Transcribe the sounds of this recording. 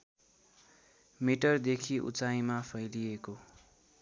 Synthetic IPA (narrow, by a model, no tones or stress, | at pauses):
miʈʌrd̪ekʰiʔṵt͡saj̃mapʰʌjlieko